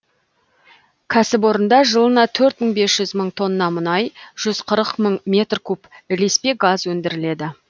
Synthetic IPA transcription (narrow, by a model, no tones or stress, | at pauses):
kʲʰæsɪp̬wo̞ɾənd̪ɑʒəlˠənɑt̪ʰɵɾt̪məɴbe̞sʒ̥ʏzməɴt̪ʰo̞nːənɑmʊnɑjʒ̥ʏz̥qʰəɾəqməɴmʲe̞t̪rkʲʰɵpɪle̞spe̞ɡɑzwɵnd̪ɪɾɪle̞d̪ɪ